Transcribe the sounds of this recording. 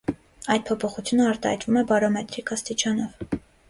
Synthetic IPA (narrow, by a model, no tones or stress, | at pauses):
ɑjd̪̚pʰɔpʰɔχut͡sʰjunəɑɾt̪ɑhɑjt̪vumɛbɑɾɔmɛt̪ɾikʰɑst̪it͡ʃɑnɔv